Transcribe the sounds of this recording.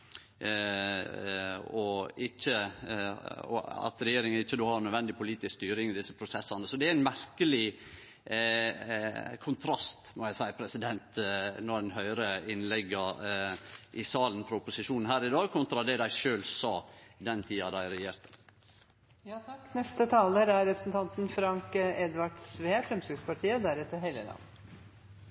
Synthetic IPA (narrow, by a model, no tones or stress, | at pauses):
ɔɪçːə | ɔ̰ɑ̰t̪ɾɛjeːɾɪŋəɪçːəd̪uːhɑɾnœd̪ʋɛnd̪ɪpʰʊliːt̪ɪskst̪yːɾɪŋɪd̪ɪsːəpʰɾʊsɛsːɑnəsɔd̪ɛææɪnmæɾkəlɪ | kʰʊnt̪ʰɾɑst̪mɔjæɪsæɪpʰɾɛsɪd̪ɛnt̪nɔɛnɦœʏɾəɪnlɛɡːɑ | ʔɪsɑːlnfɾɔʊpʊsɪʂuːnn̩hæːɾɪd̪ɑːɡkʰʊnt̪ɾɑd̪ɛd̪æɪʂøːlsɑːd̪ɛnt̪ʰiːɑd̪æɪɾɛjeːɾt̪ə | jɑːt̪ʰɑkːnɛst̪ət̪ʰɑːləɾæɾɾɛpɾə̥snt̪ʰɑnt̪nfɾɑŋkɛd̪ʋɑʈsʋeːfɾɛmsʏɡspɑʈʰiːəd̪æɾɛt̪ːəɾɦelə̰lɑ̰nː